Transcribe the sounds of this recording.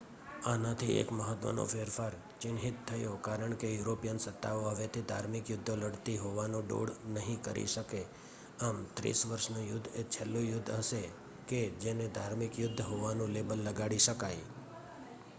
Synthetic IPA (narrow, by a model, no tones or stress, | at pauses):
anat̪ʰiḛkməɦət̪ʋə̰no̰feɾfaɾ | t͡ʃɪnɦit̪t̪ʰːəjokaɾəɳkejuɾopijənsət̪ːaoɦəʋet̪ʰid̪ʱaɾmɪkjʊd̪ʱːoləɽt̪iɦoʋanõɖo̰ɽnəɦĩkəɾʔḭʃəke | amt̪ɾḭsʋəɾʃnojʊd̪ʱːet͡ʃʰelːojʊd̪ʱːɦəʃe | ked͡ʒened̪ʱaɾmɪkjʊd̪ʱːɦoʋanũlebəlːəɡaɽiʃəkaj